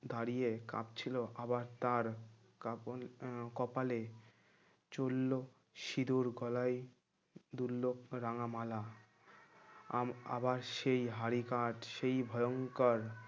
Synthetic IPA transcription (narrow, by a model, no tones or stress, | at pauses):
d̪aɾijeka̰p̚t͡ɕʰiloʔabaɾt̪aɾ | ka | kɔpale | t͡ɕolːo | ʃid̪uɾɡɔlaj | d̪ulːokɾaŋamala | a̰baɾʃejɦaɾikaʈʃejbʱɔjoŋkaɾ